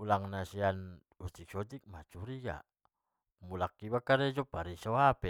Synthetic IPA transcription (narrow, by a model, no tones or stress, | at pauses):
ulaŋnasian | ut̪iksot̪ik̚mat͡ʃuɾiɡa̰ | mulakːibakaɾɛd͡ʒopaɾisawapɛ